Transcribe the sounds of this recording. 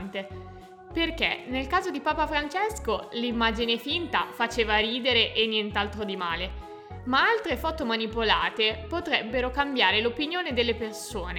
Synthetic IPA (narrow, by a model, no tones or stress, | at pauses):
nt̪e | perk̟ḛnelkaːzod̪ipaːpafɾant͡ʃeskolimːaːd͡ʒinefint̪afat͡ʃeːvaɾiːd̪eɾeʔenːjent̪alt̪ɾod̪imaːle | maalt̪ɾefɔt̪omanipola̰ːt̪epot̪ɾɛbːeɾokambjaːɾelopinjoːned̪elːepersoːne